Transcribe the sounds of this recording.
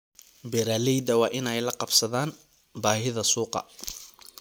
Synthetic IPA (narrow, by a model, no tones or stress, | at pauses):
bɛɾalɛjd̪ɐwɑːʔɪnɛjlɐqɑbsɐðaːn | baːɦɪðɐsuːqɑ̰